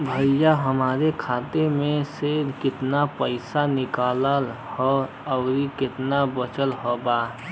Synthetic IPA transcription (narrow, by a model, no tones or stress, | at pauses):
bʱəjjaɦəmaːɾekʰaːt̪emẽsed̪kɪt̪napəɪsanɪkaːlal | hɔ | əʊɾikɪt̪nabət͡ʃəlɦobaɦ